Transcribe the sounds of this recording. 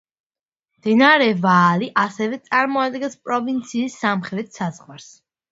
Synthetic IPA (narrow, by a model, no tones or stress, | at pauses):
md̪̥ɛnaɾɛvaːliʔasɛvɛt̪sʼaɾmɔad̪ɡɛnspʼɾɔvint̪sʰiːsːamχɾɛt̪ʰsazʁwaɾs